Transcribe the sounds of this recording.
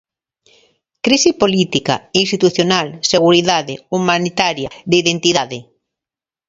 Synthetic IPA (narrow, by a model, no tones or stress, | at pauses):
kɾisipolit̪ika̰inst̪it̪uθjonalseɣ̞uɾiðaðeumãnit̪aɾjad̪eiðent̪iðaðɪ